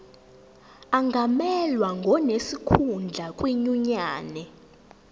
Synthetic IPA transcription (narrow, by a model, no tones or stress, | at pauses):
aŋɡʱamɛlwaŋɡʱɔnesikʰund͡ɮʱakʼwiɲuɲaːnɛ